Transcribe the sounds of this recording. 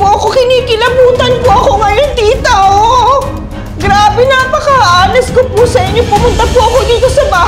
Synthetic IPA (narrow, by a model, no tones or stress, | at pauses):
poʔɐko̞kɪniːkɪlɐmuːt̪ɐnkoʔɐko̞ŋɐjo̞nt̪iːt̪ɐʔo | ɡɾaːbɛnɐpɐkɐhɐʔaːlɪskopusɐʔɪɲːo̞pʊmʊnt̪ɐpoʔɐko̞d̪iːt̪o̞sɐbaː